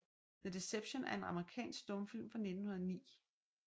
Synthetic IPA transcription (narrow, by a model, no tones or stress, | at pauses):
ðəd̥e̝seb̥ɕonæɐe̝nɑ̈məʁikʰɛ̰ːnsɡ̥̚d̥ɔ̽mfilmfʁɑ̈ne̝d̥n̩hunɐðˠnḭː